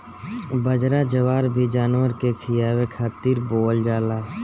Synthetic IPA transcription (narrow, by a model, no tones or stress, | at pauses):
bəd͡ʒɾad͡ʒəwaːɾbʱid͡ʒaːnwəɾkekʰɪjaːwekʰaːt̪iːɾboːld͡ʒaːlaː